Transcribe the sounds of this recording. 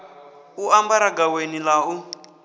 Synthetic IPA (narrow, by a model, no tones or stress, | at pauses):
uambaɾaɡawenilau